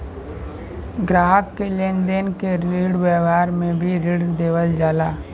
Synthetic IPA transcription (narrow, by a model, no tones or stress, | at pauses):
ɡɾaːɦəkːeleːnd̪eːnkeɾiːɽʋɛːʋaːɾmẽbʱiɾiɽd̪eːʋəld͡ʒaːlaː